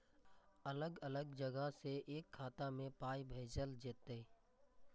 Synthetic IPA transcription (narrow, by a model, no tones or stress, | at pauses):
ələɡələɡd͡ʒəɡəseʔeːkʰːaːt̪amẽpaːibʱeːd͡ʒəld͡ʒet̪e